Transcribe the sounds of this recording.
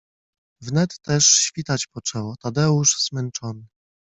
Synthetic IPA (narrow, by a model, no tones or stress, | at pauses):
vnɛt̪ːɛʂɕfʲit̪at͡ɕpɔt͡ʂɛwɔt̪ad̪ɛuʂz̥mɛnt͡ʂɔnɘ